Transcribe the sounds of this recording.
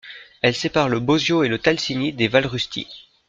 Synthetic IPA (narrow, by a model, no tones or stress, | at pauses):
ɛlsepaʁləbozjoelət̪alsinid̪evalʁyst̪ʰḭ